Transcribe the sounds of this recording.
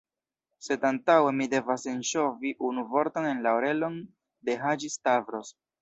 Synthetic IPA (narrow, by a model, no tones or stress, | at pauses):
se̞dantawe̞mide̞vase̞nʃo̞viʔunuvo̞ɾto̞ne̞nlaoɾe̞lo̞n | de̞ɦad͡ʒistavɾo̞s